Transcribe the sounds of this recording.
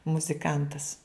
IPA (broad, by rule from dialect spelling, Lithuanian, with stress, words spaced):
mʊzʲɪˈkɐntɐs